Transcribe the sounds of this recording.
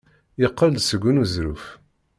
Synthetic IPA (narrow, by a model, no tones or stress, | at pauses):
jəqːəld̪səɡʷːunuzɾṵf